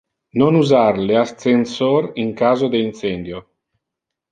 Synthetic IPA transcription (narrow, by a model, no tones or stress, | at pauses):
nonuzarleast̪sensoɾiŋkaːzod̪eint̪sɛnd̪jo